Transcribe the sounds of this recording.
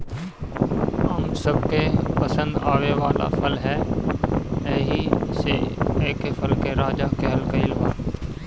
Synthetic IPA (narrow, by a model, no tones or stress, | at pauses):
ɐmsəb̚kepəsə̃nd̪aːʋeʋaːla̰fʰəlɦɛː | ɛɦiseeːkefʰəlkeɾaːd͡ʒaːkeɦəlkaɪlʋaː